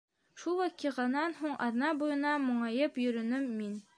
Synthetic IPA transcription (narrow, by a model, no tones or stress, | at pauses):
ʃulˠwæqiʁɑnɑnɦuɴʔɑ̰ðnɑbujɤ̆nɑmŏɴɑjɤpjɵ̆ɾɵ̆nɘmːin